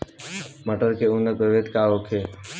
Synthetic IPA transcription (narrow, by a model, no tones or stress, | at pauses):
məʈəɾkeʊnəpɾəʋed̪kaokʰe